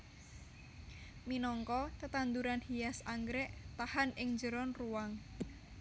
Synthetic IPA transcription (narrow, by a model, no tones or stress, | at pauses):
minɔŋkɔt̪ət̪and̪uɾanhijasaŋɡɾɛʔt̪ahanɪŋd͡ʒəɾɔnruwaŋ